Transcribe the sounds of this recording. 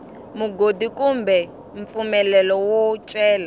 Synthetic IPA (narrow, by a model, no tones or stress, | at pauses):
muɡodikumbɛ | ɱp̪fumɛlɛlɔwɔt͡ʃʼɛːla